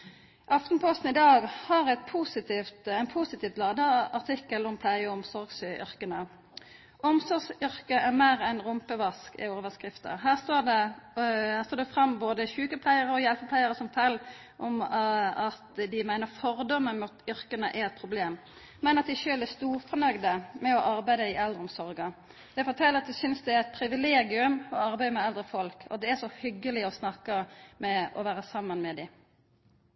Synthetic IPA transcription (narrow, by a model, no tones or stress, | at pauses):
ʔɑft̪npʰɔst̪n̩ɪd̪ɑːɡhɑʁɛt̪̚pʰusɪt̪ɪft̪ɛɪnpʰusɪt̪iːft̪lɑːd̪əɑʁt̪ʰɪkːəlɔmpʰlæɪəɔmsɔɾɡsʏ̰ʁkənə | ʔɔmsɔɾɡsʏɾkəʔæʁmeːɾɛnʁʊmpəʋɑskɪ̰oːʋəskʁɪft̪ə̰ɦæːʁst̪oːd̪ɛ | hæːst̪oːd̪ɛfʁɑmːboːd̪əçʉːkəpʰlæɪəɾʁəɔjɛlpəpʰlæɪəɾəsɔmfʰɛlː | ʔɔmɑt̪d̪ɪmæɪnəfɔɾd̪ɔmːənmut̪ʏɾkənəʔæɾɛt̪̚pʰɾʊbleːmː | ɛnɑt̪̚d̪ɪʃøːlæst̪uːɾfɔnœɡd̪əmɛɔʔɑɾbæɪd̪əɪʔɛld̪ʁəɔmsɔɾɡə | d̪̥ɛfɔt̪ʰɛlːəɾɑt̪d̪ɪsʏnsd̪ɛæɾɛt̪̚pʰɾɪʋɪleːɡɪʉmɔɑɾbæɪd̪əmɛɛld̪ɾəfɔlkʰɔ̰d̪ɛæʂɔhʏɡːəlɪɔsnɑkːəmɛɔʋæːɾəsɑmːɑnmɛd̪ɪɪ